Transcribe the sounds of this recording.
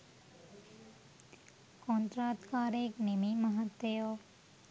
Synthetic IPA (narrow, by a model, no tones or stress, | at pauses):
kɔ̃ːnt̪ɾaːt̪kaːɾeːknemiməɦət̪ːejoː